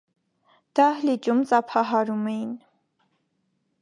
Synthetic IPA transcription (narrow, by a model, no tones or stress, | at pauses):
d̪̥ɑhlit͡ʃumt͡sʼɑpʰɑɦɑɾumɛjin